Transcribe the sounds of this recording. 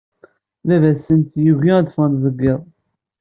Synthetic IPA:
ðævæsːənt̪juʝiæd̪fənt̪ðəɡːɪðˤ

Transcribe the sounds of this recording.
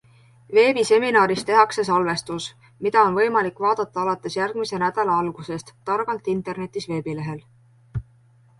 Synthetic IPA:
ve̞ːbise̞minɑːɾist̪eɦɑkse̞s̬ɑlve̞st̪us | mid̪̥ɑo̞nvɤjmɑlikːˑvɑːd̪̥ɑt̪ːˑɑɑlɑt̪ːˑe̞sjærɡ̥mise̞næd̪̥ɑlɑɑlɡ̥use̞st̪t̪ːɑrɡ̥ɑlt̪ˑint̪ˑe̞rne̞t̪ːˑisve̞ːbile̞ɦe̞l

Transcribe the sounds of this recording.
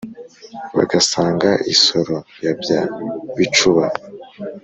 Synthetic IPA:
βa̰ɡasaːŋɡaʔiso̞ɾo̞jabjaβit͡ʃuβa

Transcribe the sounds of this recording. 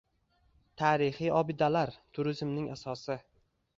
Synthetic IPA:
t̪ʰaːɾɪhijɒbɪd̪alaɾt̪ʰʊɾɪzmnɪŋʔasɒsɪ

